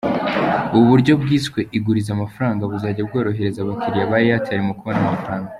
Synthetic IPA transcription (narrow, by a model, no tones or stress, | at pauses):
uβuβuɾɟo̞bɡiːskwe̞ʔiɡuɾizamafɾaːŋɡaβuzaɟabɡo̞ːɾo̞ɦe̞ɾe̞zaβakiɾijaβaːɾijateaɾimokuβo̞namafɾaːŋɡa